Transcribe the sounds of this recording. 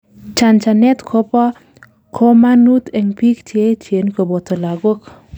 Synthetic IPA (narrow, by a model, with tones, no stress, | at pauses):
t͡ʃa˨nt͡ʃa˨nɛ˦t̪kʰo˦pɔ˦ | kʰo˦ma˦nut̪ɛ˨ŋpi˦kt͡ʃe˦t͡ʃe˨nko˨bo˨t̪o˨la˨ɡo˦k